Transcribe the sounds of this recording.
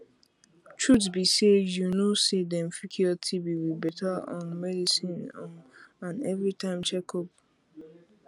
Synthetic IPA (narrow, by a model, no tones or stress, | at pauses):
t͡ʃɹutbisedjunosedɛ̃mfikʰiɔtʰibiwibɛtʰaɔ̰̃nmɛdisĩnɔãnɛvɾitãɪ̃mt͡ʃɛkɔp